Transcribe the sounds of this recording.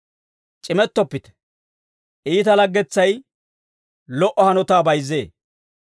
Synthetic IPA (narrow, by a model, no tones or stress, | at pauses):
t͡ʃʼɪmɛt̪ːɔpːɪt̪ɛ̥ | ʔiːt̪ɐlɐɡːɛt͡sːɐj | lɔʔɔhɐnɔt̪aːbɐjze̞ː